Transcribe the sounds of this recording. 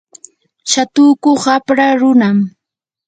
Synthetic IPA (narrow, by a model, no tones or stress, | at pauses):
ʃat̪ʊkoχapɾaɾʊnam